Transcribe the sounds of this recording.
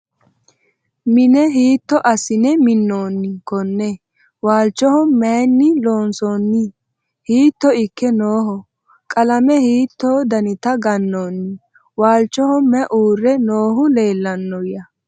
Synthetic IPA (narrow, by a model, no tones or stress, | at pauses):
mɪnɛɦiːt̪ːɔʔɐsɪnɛmɪnːoːnːɪkɔnːɛ | waːlt͡ʃːɔhɔmɛnːɪloːnsɔːnːɪ | hiːt̪ːɔɪkːɛnoːɦɔ | kʼɐlɐmɛhiːt̪ːoːd̪ɐnɪt̪ɐɡɐnːoːnːɪ | waːlt͡ʃːɔhɔːɛʔuːrːɛnoːɦʊle̞ːlːɐnːɔjɐ